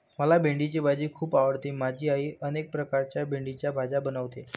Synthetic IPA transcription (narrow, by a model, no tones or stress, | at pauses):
məlabʱeɳɖit͡ɕebʱad͡ʑiːkʰuːpaʋəɽt̪imad͡ʑʱiːaɦiʔənek̚pɾəkaɾt͡ɕjabʱeɳɖit͡ɕjabʱad͡ʑabənəʋt̪e